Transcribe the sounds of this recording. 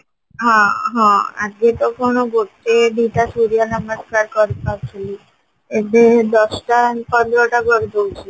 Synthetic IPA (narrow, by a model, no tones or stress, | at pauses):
ɦãɦɔ̃a̰d͡ʒket̪okoñoɡolt̪eɖiʈasuɾianaməskaɾkɔɾitaɾt͡ʃʰili | ed̪ed̪ɔsʈapɔnd̪ɾoʈabɔɾd̪owt͡ʃʰi